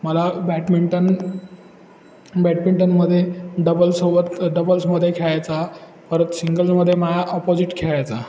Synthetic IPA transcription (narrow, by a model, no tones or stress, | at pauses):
məlabɛʈmiɳʈən | bæʈmiɳʈənməd̪ʱːjeɖəbəlsobət̪ɖəbəlsməd̪ʱːjekʰeɭajt͡sa | fəɾət̪siŋɡəlsməd̪ʱːjeməjaʔɔpod͡ziʈkʰeɭajt͡sa